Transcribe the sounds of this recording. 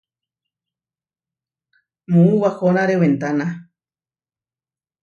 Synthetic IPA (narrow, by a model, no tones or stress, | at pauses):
mũuwahonãɾewent̪anã